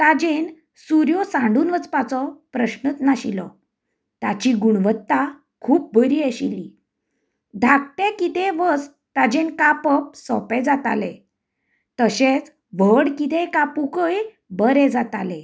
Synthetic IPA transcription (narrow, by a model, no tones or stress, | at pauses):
t̪ad͡ʑen | suɾjɔsãɳɖuːnʋət͡spat͡sɔpɾəɕnət̪naɕḭlɔ̰ | t̪at͡ɕiɡuɳʋət̪ːa | kʰuːp̚bəɾiaɕili | d̪ʱak̚t̪ɛ̃kit̪ɛʋəs | t̪ad͡ʑenkapəp̚sɔ̰pɛd͡zat̪a̰lɛ̰̃ | t̪əɕet͡s | ʋəɽkit̪ẽkapukəj | bəɾɛ̃d͡zat̪alɛ̃